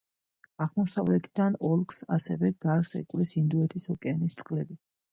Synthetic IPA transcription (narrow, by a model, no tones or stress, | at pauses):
aʁmɔsavlɛt̪ʰid̪anɔlˠksa̰sɛvɛɡ̪aɾsɛ̰kʼwlisind̪uɛt̪ʰisɔkʼɛanist̪sʼqʼlɛbi